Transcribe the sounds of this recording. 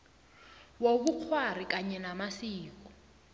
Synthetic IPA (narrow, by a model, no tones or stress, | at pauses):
woβuq͡χʰwar̤ikaɲɛnamasiːku̥